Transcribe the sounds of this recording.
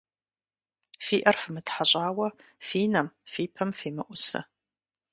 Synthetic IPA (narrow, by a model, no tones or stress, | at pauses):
fiːʔɐrfɨmɨtħaɕʼaːwɐfiːnɐmfiːpʰɐmfiːmɨʔʷʊsɨ̰